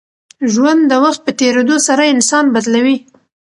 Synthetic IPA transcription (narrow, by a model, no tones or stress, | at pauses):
ʒwand̪dːəwaxt̪̚pət̪eɾed̪osaɾaɪnsɑnbad̪lawi